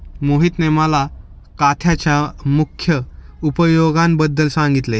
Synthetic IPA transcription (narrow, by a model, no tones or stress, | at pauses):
moɦit̪neməla | kat̪ʰjat͡ɕjamukʰːjə | upəjoɡãmbəd̪ːəlsãŋɡit̪le